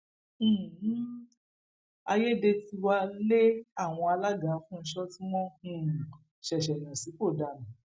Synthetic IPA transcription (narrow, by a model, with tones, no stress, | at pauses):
a˧je˦de˧ti˧wa˧le˦a˦˨w̃ɔ̃˧a˧la˦ɡa˨˦fũ˦n̩˧˦ʃɔ˦tĩ˦mɔ̃˦hũ˦˧ | ʃɛ˨ʃɛ˨nã˨si˨˦k͡po˦˨da˨nã˨